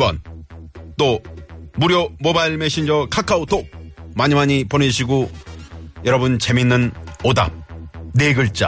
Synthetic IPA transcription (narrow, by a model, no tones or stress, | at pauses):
bʌn | t͈omuɾjomobaiɭmeɕʰind͡ʑʌkʰakʰaot̪ʰomaɲimaɲiponeɕ̬ʰiɡo | jʌɾʌbɯnt͡ɕeminːɯnoda̰p̚neɡɯɭt͡ɕ͈a̰